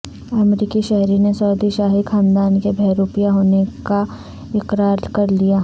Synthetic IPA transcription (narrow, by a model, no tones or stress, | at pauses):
ɐmɾiːkiʃɛɦɾinesɔːd̪iʃaːɦikʰãːnd̪aːnkebʱɛːɾuːpijaɦoːneka | ɪqɾaːɾkɐɾlijaː